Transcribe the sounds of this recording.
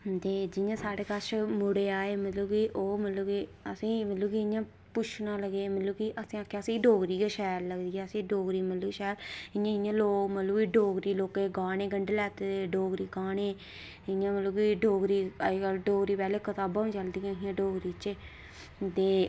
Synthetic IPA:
t̪eːd͡ʒɪjãːsaːɽeːkəʃmʊɽeːaːeːmət̪luːkiʔoːmət̪luːɡiəsĩːmət̪luːkiɪãː | pʊt͡ʃʰnãːləɡeːmət̪luːkiʔəsĩãːkjːsĩːɖoːɡɾiːeːʃɛːɾləɡd̪iːɛːəsĩːɖoːɡɾiːmət̪luːʃɛːɾɪãːɪjãːloːkmət̪ləbɡiːɖoːɡɾiːloːkeːɡaːɽeːɡəɳɖelɛːt̪eeɖoːɡɾiːkaːɳeː | ɪãːməluːɡiɖoːɡɾiːəd͡ʒkəlɖoːɡɾiːpɛːleːkət̪aːbãːĩːt͡ʃəld̪ijãːɦɪãːɖoːɡɾiːt͡ʃeː | t̪eː

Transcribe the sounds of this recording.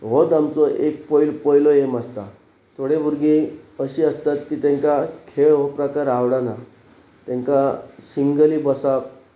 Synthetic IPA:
ɦɔd̪amt͡sɔʔek̚pɔjlpɔjlɔjemast̪a | t̪ʰoɽebʱuɾɡiəɕiːəst̪at̪kiːt̪ẽŋkakʰeɭɦɔpɾəkaɾawɽana | t̪ẽŋkasiŋɡəlibəsap

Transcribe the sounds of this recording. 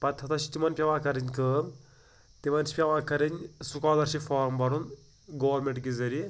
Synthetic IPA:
pɐt̪ʰɐt̪ʰɐʃi̥t̪imɐnpʲɐʋaːkɐɾiɲʲkəːm | t̪imɐnt͡ʃi̥pʲɐʋaːkɐɾinʲsukaːlɐɾʃifʰaːɾmbɐɾun | ɡoːʋɐɾmeɳʈɡizɐɾi

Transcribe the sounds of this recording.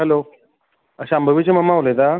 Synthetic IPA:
ɦɛlo | əɕambʱəʋit͡ɕeməmːaʋlet̪a

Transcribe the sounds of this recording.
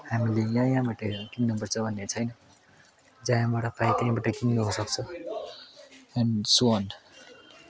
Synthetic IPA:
hamilejãjãbaʈʌkimnʌbʌrt͡sʰʌbʱʌnːet͡sʰʌjnʌ | d͡zajãbaʈʌpʰajt̪aãbaʈʌkimneɦusʌk̚t͡sʰʌ | anson

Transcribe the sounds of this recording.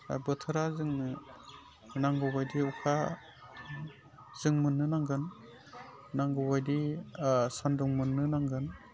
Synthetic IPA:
bɯtʰɯɾazɯŋnɯ | naŋɡɔwbajdiukʰa | z̥ɯŋmɯnːɯnaŋɡɯn | naŋɡɔwbajdi | sandɔŋmɯnːɯnaŋɡɯn

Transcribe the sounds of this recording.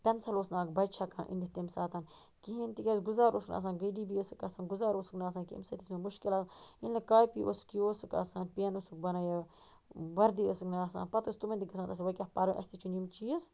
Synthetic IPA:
pʲɐnsɐloːsnaːkbɐjt͡ʃʰakã̰ːʔḭnd̪it̪imsaːt̪aːn | kiɦint̪ikʲesɡuzaːɾoːsknʔa̰ːs̬ãːnɡəjdiːbiəsɨkasaːnɡuzaːɾoːsɨknaːs̬aːnkḭmsɐt̪ismemuʃkilaːsainlɐkaːjpiʔo̰skioːsɨka̰saːnpenosuk̚bɐnaːja | ʋɐɾd̪iəsɨknaːsa̰ːnpɐt̪ɨst̪umɐnt̪iɡɐsaːnt̪ɐs̬ʋɐkʲahpɐɾɨʔɐ̰sʲt̪it͡ʃunimt͡ʃiːs

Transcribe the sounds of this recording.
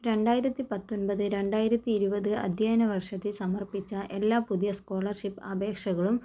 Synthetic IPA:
ɾe̞ɳɖaːjiɾɐt̪ːipɐt̪ːonbɐðɨɾe̞ɳɖaːjiɾɐt̪ːiːɾubɐðɨɐ̰d̪ʱjaːnɐʋɐrʂɐt̪ːilsɐmɐrpit͡ɕːɐʔe̞lːaːpuðijɐskoːɭɐrʂipːɐbe̞ːkʂɐɣɐɭum

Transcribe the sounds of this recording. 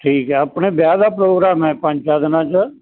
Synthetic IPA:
ʈʰiːkɦɛːəpneːbjaːd̪aːpɾoːɡɾaːmɦɛːpə̃ɲt͡ʃaːd̪ənãːt͡ʃə

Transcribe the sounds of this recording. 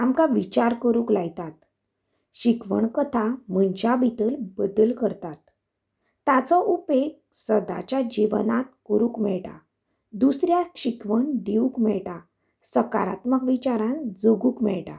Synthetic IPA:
amkaʋit͡ɕaɾkəɾuːklajt̪at̪ | ɕikʋə̰ɳkət̪ʰamənt͡ɕabʱit̪əlbəd̪əlkəɾt̪at̪ː | at͡sɔʔupek | səd̪a̰t͡ɕjad͡ʑiʋnat̪̚kəɾuːkmɛɭʈa̰ | d̪usɾjaɕikʋəɳɖiukmɛɭʈa | səka̰ɾa̰t̪məkʋit͡ɕaɾãnd͡zoɡuːkmɛ̰ɭʈa̰

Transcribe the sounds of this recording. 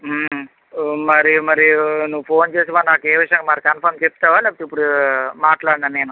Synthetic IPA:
mɐɾimɐɾinuʋːupʰo̞ːnt͡ʃeːsiʋaːnaːkeːʋiʂjɐŋɡamaːɾikɐnpʰɐɾmt͡ʃep̚ːt̪aːʋaːlɛːpɐʈipːuɽumaːʈlaːɽnaːnːe̞ːnu

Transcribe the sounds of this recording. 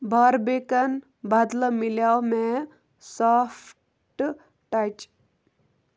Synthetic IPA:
baɾbekan | bad̪ləmiljawme | sɔf | ʈ | ʈat͡ʃ

